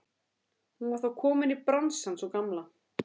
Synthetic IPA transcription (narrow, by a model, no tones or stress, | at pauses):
hunvaɾ̥θawkʰɔːmɪnipɾansansɔkamla